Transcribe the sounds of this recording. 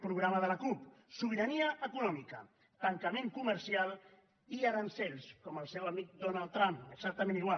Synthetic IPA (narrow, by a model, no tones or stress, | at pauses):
pɾuɣɾaməðələkupsuβiɾəniəʔəkunɔmikə̰ | t̪əŋkəmeŋkuməɾsialˠ | iaɾənsɛʎskɔməlˠsɛwəmik̚d̪onalˠd̪t̪ːɾampəkzak̚t̪əmeniɣwal